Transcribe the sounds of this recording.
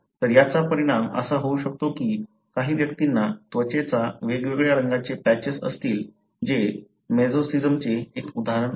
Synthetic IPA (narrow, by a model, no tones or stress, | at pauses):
t̪əɾjat͡sapəɾiɽ̃amə̰saɦouɕək̚t̪okiː | kaɦiːʋjəkt̪inːat̪ʋət͡ɕet͡saʋeɡʋeɡɭjaɾəŋɡat͡sepæt͡ɕesə̰st̪iːl | d͡ʑe | med͡zosid͡zəmt͡seːkud̪ʱaɦɾən